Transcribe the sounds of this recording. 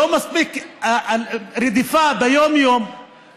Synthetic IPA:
oːmasbiːk | ɾid̪ifabɪjoːmjoːm

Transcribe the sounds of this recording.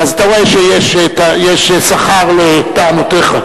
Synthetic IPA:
azat̪aʁoeʃejeʃt̪ajeʃsaχaʁlet̪aanot̪eχa

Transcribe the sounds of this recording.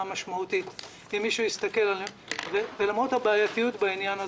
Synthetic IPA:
amaʃmaut̪it | imiʃujist̪ake̞lalemvevelamʁot̪habaːjatijutbainjana

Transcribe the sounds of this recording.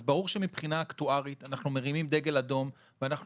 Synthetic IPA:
zbaʁuʁʃemipχinaːkt̪uaʁit̪anaχnumeʁimimd̪eɡe̞lado̞m | veanaχ

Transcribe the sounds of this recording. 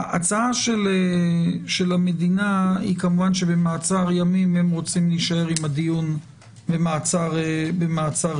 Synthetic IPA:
aa̰t͡saaʃeleʃe̞lame̞d̪inaḭkamuvanʃe̞be̞maːt͡saʁjamimhe̞mʁo̞t͡simliʃae̞ʁimad̪ijun | bemaːt͡saʁebemaːt͡saʁ

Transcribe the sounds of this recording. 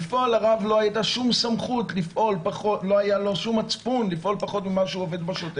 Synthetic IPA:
fʔolaʁavlo̞ajit̪aʃumsamχutlifʔo̞lpaχotlo̞ajalo̞ʃumat͡spunlifʔo̞lpaχo̞t̪mimaʃeuove̞d̪baʃot̪e

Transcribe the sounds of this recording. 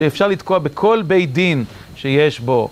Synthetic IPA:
eːfʃaʁlid̪koabekʰo̞lbejd̪in | ʃejeʃbo̞

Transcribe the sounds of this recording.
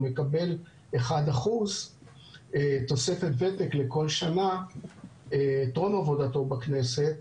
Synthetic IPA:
me̞kabe̞l | eχad̪aχuz | et̪o̞se̞fe̞t̪vetekleko̞lʃana | t̪ʁo̞mavo̞dato̞bakne̞se̞t

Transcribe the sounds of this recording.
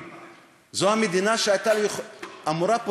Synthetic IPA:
zɔamed̪inaʃaːjt̪alamuɾapo

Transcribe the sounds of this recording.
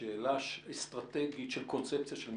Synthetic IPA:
eːlaʃst̪ʁat̪eɡit̪ʃelkont͡sep̚t͡sijaʃelm

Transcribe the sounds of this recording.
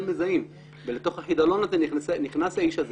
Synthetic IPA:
lmezaim | velet̪o̞χhaħid̪alo̞nazenisniχnashaiʃaz

